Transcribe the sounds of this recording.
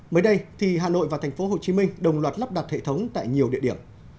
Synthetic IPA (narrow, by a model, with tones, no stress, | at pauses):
məː˨˦jɗə˧jt̪ʰi˨˩ɦaː˨˩no̰˧˨jvaː˨˩t̪ʰŋ̟fo˨˦ɦo˨˩t͡ɕi˨˦mï˧ŋɗə˨˩wŋ͡mlwaː˨˩t̚lə˦˥p̚ɗa˨˩t̚hḛ˧˨t̪ʰə˨˦wŋ͡mt̪a̰ː˧˨jɲi˨˩əwɗḭ˧əɗi˧˩əm